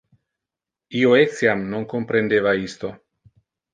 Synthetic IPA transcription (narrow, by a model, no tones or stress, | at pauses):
ioeksjamnoŋkompɾend̪eβaist̪o